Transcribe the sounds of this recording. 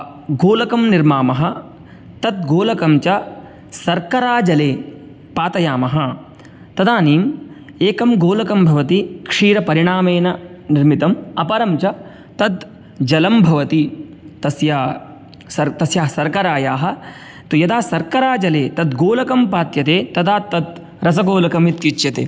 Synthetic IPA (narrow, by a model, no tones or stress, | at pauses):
ɡoːlɐkɐmniɾmaːmɐɦɐ̆ | t̪ɐd̪̚ɡoːlɐkɐmt͡ʃɐ | sɐɾkɐɾaːd͡ʒɐleː | paːt̪ɐjaːmɐɦɐ | t̪ɐd̪aːniːm | eːkɐmɡoːlɐkɐmbʱɐʋɐt̪ikʂiːɾɐpɐɾiɳaːmeːnɐ | niɾmit̪ɐmɐpɐɾɐmt͡ʃɐ | t̪ɐd̪ | d͡ʒɐlɐmbʱɐʋɐt̪i | t̪ɐsjaː | sɐt̪ɐsjaːsɐɾkɐɾaːjaːɦɐ̆ | t̪ujɐd̪aːsɐɾkɐɾaːd͡ʒɐleːt̪ɐd̪̚ɡoːlɐkɐmpaːt̪jɐt̪eːt̪ɐd̪aːt̪ːɐd̪ | ɾɐsɐɡoːlɐkɐmit̪jit͡ʃjɐt̪ḛː